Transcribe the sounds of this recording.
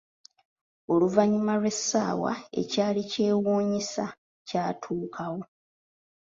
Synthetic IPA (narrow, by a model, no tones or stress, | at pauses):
o̞luvaɲimalwe̞sːaːwa̰e̞̰caːlice̞ːwuːɲisa | caːtʰuːkʰawo̞